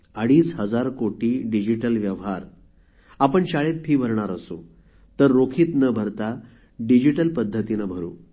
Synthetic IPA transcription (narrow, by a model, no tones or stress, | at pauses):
əɽiːsɦəd͡zaɾkoʈiːɖid͡ʑiʈəlʋjəʋɦaɾ | apəɳɕaɭet̪̚pʰiːbʱəɾɳ̃aɾəso̰ | t̪əɾːokʰiːt̪nəbʱəɾt̪a | ɖid͡ʑiʈəlpəd̪ʱːət̪inəbʱəɾṵː